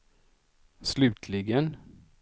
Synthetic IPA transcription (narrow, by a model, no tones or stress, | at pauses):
slʉ̟ːt̪ʰlɪɡən